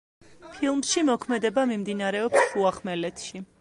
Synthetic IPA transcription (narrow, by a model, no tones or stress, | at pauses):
pʰilˠmsʃimɔkʰmɛd̪ɛbamimd̪inaɾɛɔpsuaχmɛlɛt̪ʰʃi